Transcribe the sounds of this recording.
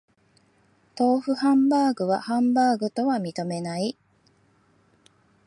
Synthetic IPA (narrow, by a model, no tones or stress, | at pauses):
t̪o̞ːɸɯ̟hãmbaːɡɯ̟βahãmbaːɡɯ̟t̪o̞βamʲit̪o̞me̞nai